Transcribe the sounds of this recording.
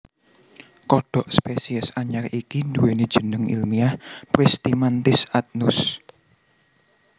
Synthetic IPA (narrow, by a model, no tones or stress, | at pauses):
kɔɖ̥ɔ̤ʔspesiɛsaɲarikind̪uwened̥ʒ̥ə̤nəŋḭlmiahpɾist̪imant̪ɪsat̪̚nʊs